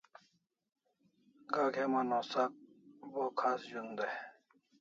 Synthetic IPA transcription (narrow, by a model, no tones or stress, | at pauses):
ɡaːkʰemanoːsak̚bokʰaːsd͡ʑund̪e